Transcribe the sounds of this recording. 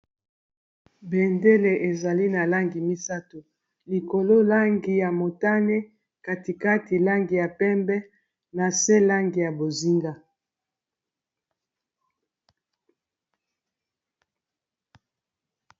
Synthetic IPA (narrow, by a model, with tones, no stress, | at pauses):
be˨nde˦le˨ʔe˨za˨li˦na˨la˦ŋɡi˨mi˦sa˦to˨ | li˨ko˨lo˦la˦ŋɡi˨ja˨mo˨ta˦ne˦ | ka˨ti˨ka˦ti˨la˦ŋɡi˨ja˨pɛ˦mbɛ˦ | na˨sɛ˦la˦ŋɡi˨ja˨bo˨zi˦ŋɡa˦